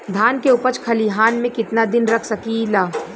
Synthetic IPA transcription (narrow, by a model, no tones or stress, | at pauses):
d̪ʱaːnkeʊpət͡ʃkʰɐliɦaːnmẽkɪt̪nad̪ɪnɾɐkʰsɐkilaː